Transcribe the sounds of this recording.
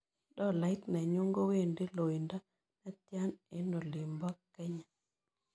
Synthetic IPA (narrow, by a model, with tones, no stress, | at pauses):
dɔ˦˨la˨ɪ˦t̪na˨ɲo˦ŋɡo˦we˦˨ndi˦lo˨i˨nda˦ | na˦t̪ja˦ne˨no˨li˨mbɔ˦kɛ˦ɲa˨